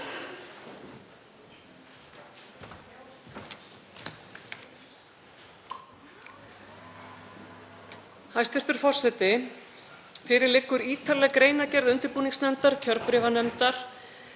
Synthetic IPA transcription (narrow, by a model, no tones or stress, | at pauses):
hajst̪fɪr̥t̪ʏɾ̥fɔr̥sɛt̪ɪ | fɪɾɪɾlɪkːʏɾiːt̪alɛːɣkɾeːjnacɛɾðʏnt̪ɪɾpuːniŋsnɛmt̪aɾ̥cʰœɾpɾɪːvanɛmt̪aɾ̥